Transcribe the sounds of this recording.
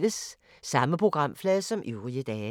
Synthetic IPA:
ləsː | ɑ̈məpʰʁo̝ɡ̥ʁɑ̈m̰flɛːðˠsɒ̽mʔyʊʁiəd̥ɛː

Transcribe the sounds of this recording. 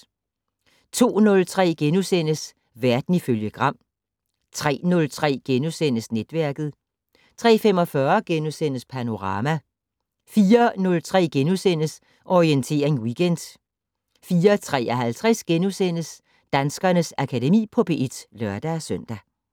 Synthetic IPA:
t͡sʰo̝̰ːnɔ̽lt͡sʰʁɛ̰ːɡ̥enusen̰əs | ʋæɐd̥n̩iføljəɡ̥ʁɑ̈m̰ | t͡sʰʁɛ̰ːnɔ̽lt͡sʰʁɛ̰ːɡ̥enusen̰əsned̥ʋæɐɡ̥ð̞̩ˠ | t͡sʰʁɛ̰ːfemɒ̽fɶɐɡ̥enusen̰əspʰæno̝ʁɑ̈ːmæ | fiːɐnɔ̽lt͡sʰʁɛ̰ːɡ̥enusen̰əs | ʔɒʁient͡sʰe̝̰ːɐʁeŋwiɡ̥end̥ | fiːɐt͡sʰʁɛ̰ːɒɦælt͡sʰʁɛsɡ̥enusen̰əs | d̥ænsɡ̥ɐnəsækʰædemḭːpʰɒ̽b̥e̝ʔed̥lɶɐd̥æsøn̰d̥æ

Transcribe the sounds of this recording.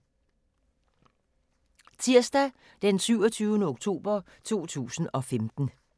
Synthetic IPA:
t͡sʰiɐsd̥æ | d̥ensyʊɒ̽t͡sʰyːʊnəoɡ̥̚t͡sʰo̝̰ːb̥ɐ | t͡sʰo̝̰ːt͡sʰṵːsn̩ɒ̽femd̥n̩

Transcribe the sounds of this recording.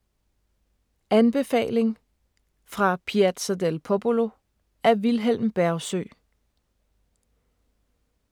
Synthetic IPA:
ʔænb̥e̝fɛ̰ːle̝ŋ | fʁɑ̈pʰiæd̥sæd̥elpʰob̥olo̝ | æɐʋilɦel̰mb̥æɐʊsø̰ː

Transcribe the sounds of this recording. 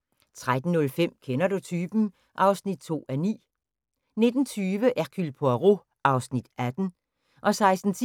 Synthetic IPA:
t͡sʰʁad̥n̩ːɔ̽lfem̰kʰenɐdut͡sʰyːb̥n̩ | ʔɑ̈ʊsnid̥̚t͡sʰo̝̰ːænḭː | ne̝d̥n̩t͡sʰyːʋəʔækʰylpʰoʁo̝ | ʔɑ̈ʊsnid̥æd̥n̩ | ʔɒ̽sɑ̈ɪsd̥n̩t͡sʰi

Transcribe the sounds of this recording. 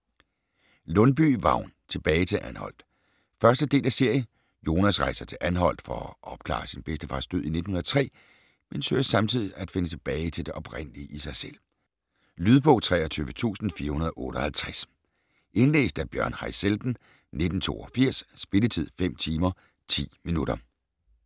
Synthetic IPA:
lɔ̽nb̥y̰ʋɑ̰̈ʊ̰nt͡sʰe̝b̥ɛːɪt͡sʰe̝lʔænhɒ̽l̰d̥ | fɶɐsd̥əd̥e̝̰ːlæse̝ɐ̰jə | jo̝ːnæsʁɑ̈ɪsɐt͡sʰe̝lʔænɦɒ̽l̰d̥fɒɒʔɒ̽b̥̚kʰlɑ̰̈ːsinb̥esd̥əfɑ̈sd̥øðˠine̝d̥n̩hunɐðˠt͡sʰʁɛ̰ː | mensøːsɑ̈mt͡sʰið̞̰ˠiæd̥fe̝nət͡sʰe̝b̥ɛːɪt͡sʰe̝ld̥e̝ʔɒ̽b̥ʁen̰liəʔisɑ̈ɪsel̰ | lyðˠb̥ɔ̽ːt͡sʰʁɛ̰ːɐt͡sʰyːʋət͡sʰṵːsn̩fiːɐhunɐðˠɒʔɔ̽ːɾ̥əɒhælt͡sʰʁɛs | ʔe̝nle̝̰ːsd̥æɐb̥jɶɐ̰nhɑɪseld̥n̩ | ne̝d̥n̩t͡sʰo̝̰ːɒfiɐ̰ssb̥e̝lət͡sʰið̞̰ˠfem̰t͡sʰiːmɐ | t͡sʰḭːminuɾɐ

